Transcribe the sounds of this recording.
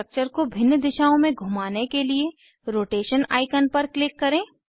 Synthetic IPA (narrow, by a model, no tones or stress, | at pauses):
ək̚t͡ʃəɾkobʱɪ̃nːd̪ɪʃaːõmẽɡʱʊmaːnekelie | ɾoːʈeːʃəna̰ːɪkənpɐɾklɪkːɐɾẽː